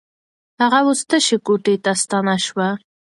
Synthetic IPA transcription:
haʁawʊst̪əʃekoʈet̪ast̪ɑnaʃwa

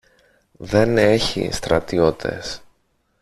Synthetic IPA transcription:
ðe̞ne̞çḭst̪ɾɐt̪io̞t̪ʰe̞̰s

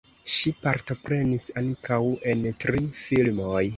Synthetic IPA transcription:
ʃipaɾto̞pɾe̞nisaŋkawe̞ntɾifilmo̞j

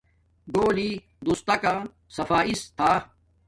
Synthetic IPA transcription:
ɡoːliː | d̪ust̪ɐkãː | sɐfaːʔist̪ʰaː

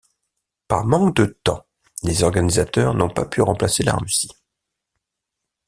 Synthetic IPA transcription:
pa̰ʁmɑ̃kd̪ət̪ɑ̰̃ | lezɔʁɡanizat̪œʁnɔ̃papʰyʁɑ̃plasela̰ʁysi̥

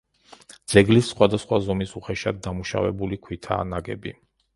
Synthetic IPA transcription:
d̪z̥ɛɡlisːχwad̪asχwazɔmisuχɛʃad̪̚ːamuʃa̰vɛ̰bulikʰwit̪ʰa̰ːnaɡɛ̰bi

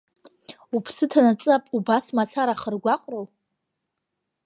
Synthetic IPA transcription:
upʰsɨtʰanat͡sʼapʼubasmat͡sʰaɾaχərɡʷaqʼrow

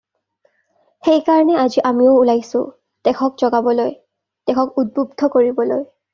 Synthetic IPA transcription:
xejkaɹɔnɛaziʔamioʊulajsʊ̰ | d̥ɛxʰɔkzɔɡabɔloj | d̥ɛxʰɔkud̚bub̚d̪ʱɔkoɹibɔloj

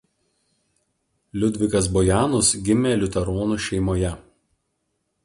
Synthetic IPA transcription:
lʲʊd̪ʲʋʲɪkɐs̬bɔjæːnʊsɡʲɪmʲeːlʲʊt̪ʲɛɾɔːnuʃʲɛɪmoːjɛ

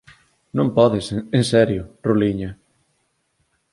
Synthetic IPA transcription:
nõmpɔðɪsensɛɾjʊroliɲɐ

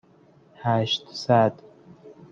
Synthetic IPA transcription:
hæʃt̪sæd̪

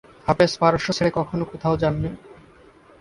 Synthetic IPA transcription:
apespaɾoʃot͡ɕʰeɭekɔkʰonokot̪ʰaod͡ʑanːe

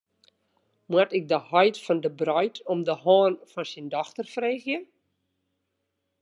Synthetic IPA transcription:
mwatɪk̚dəhɔjtfɔndəbrœjtʰɔmdəhɔːnfɔnsindɔxtərfreːxjə

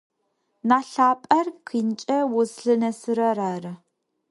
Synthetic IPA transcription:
naːɬaːpʼɐrkʰint͡ʃʼɐwʊsɬɨnɐsɨɾɐraːrɨ

